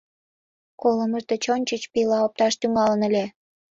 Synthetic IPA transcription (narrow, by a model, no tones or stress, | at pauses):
koləməʃt̪et͡ɕonʲt͡ɕət͡ɕpilɑop̚t̪ɑʃt̪yŋɑlənə̆lʲe